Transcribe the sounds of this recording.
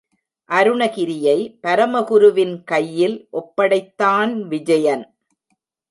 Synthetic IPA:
ʔɐɾɯɳɐɣɪɾɪjɐɪpɐɾɐmɐɣʊɾɯʋɪnkɐjːɪlʔɔpːɐɽɐɪt̪ːaːnʋɪd͡ʒɐjɐn

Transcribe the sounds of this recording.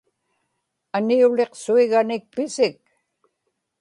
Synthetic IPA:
aniule̞qsuiɣanɪk̚pɪsɪk̚

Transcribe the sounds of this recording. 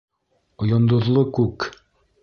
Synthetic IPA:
ŏjɑnd̪ŏðlˠokʉk

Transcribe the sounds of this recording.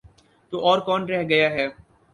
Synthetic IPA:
t̪oːʔɔːɾkɔːnɾɛɦɡɐjaɦɛː

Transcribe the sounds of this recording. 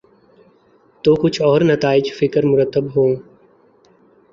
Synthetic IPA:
t̪oːkʊt͡ʃʰɔːɾnɐt̪aːɪd͡ʒfɪkəɾmʊɾət̪ːəbɦoː

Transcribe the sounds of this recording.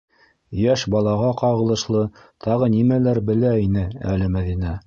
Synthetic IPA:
jæʃbɑlˠɑʁɑqɑʁɤ̆lˠɤ̆ʃlˠɤt̪ʰɑʁɤnimælæɾbɘ̆læinɘæ̰lɘmæðinæ

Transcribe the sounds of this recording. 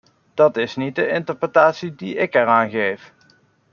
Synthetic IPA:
d̥ɑtɪsnit̚dəɪntəɹprətaːtsidiɪkɛɹaːnɣejf

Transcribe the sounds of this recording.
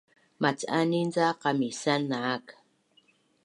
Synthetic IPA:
mat͡ʃaninzaqamisanːaːk

